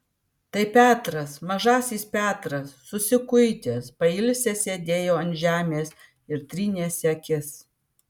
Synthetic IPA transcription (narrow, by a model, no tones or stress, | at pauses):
t̪ɐɪpʲæːt̪ɾɐsmɐʒɑːsʲiːspʲæːt̪ɾɐsːʊsʲɪkʊɪt̪ʲeːspɐɪlʲsʲesʲeːd̪ʲeːjoːɐnʲʒʲæːmʲeːs | ɪɾt̪ʲɾʲiːnʲeːsʲɛkʲɪs